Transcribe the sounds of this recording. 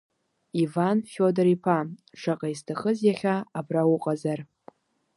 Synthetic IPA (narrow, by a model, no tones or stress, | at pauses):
ivanfodɾipʰaʂaqʼaistʰaχəzjaχʲaːbrawʊqʼazar